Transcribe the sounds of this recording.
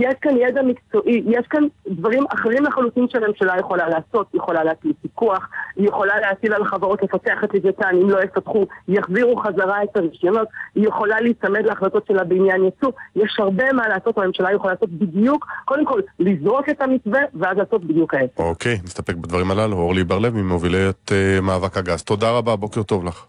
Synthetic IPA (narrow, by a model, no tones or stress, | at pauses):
jeʃkanjed̪amikt͡so̞ʔijeʃkandvaʁimaχeʁimlaχalusimʃeame̞mʃalajeχo̞lalaːso̞t̪jeχolaleat͡slisikuaχijeχo̞laleat͡silalχavaʁo̞tle̞fateaχetlivetanimlo̞jefatχujaχziʁuχazaʁaetaʁiʃomo̞t̪ijeχo̞laliːsame̞dleaχlato̞tʃe̞labeinjanjat͡sujeʃhaʁbe̞malaːsotame̞mʃalajeχolaːso̞t̪̚bidjukːo̞d̪emko̞lːizʁo̞ke̞tamit͡sve̞veazlaːso̞t̚bid̪jukaeseokejnist̪apek̚bad̪vaʁimalaluoʁlibaʁlevmimovilejot̪emaːvakaɡazt̪o̞daʁababo̞keʁt̪o̞vlaχ